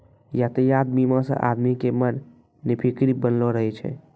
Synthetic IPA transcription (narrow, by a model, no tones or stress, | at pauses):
jat̪əjad̪mimə̃sə̰̃ʔa̰d̪mikemənː | ipʰikɾibənloɾəɦɛt͡ʃʰɛ̰